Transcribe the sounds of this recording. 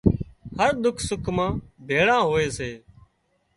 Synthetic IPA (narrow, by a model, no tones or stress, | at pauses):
həɾd̪ʊkʰsʊkʰmãːbʱeːɽãːɦoːeːseː